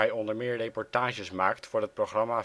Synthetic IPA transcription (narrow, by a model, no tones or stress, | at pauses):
ɛjɔndəɹmɪːɹrejpɔɹtaːʒəsmaːktfʊːɹɦət̚proχrɑmaː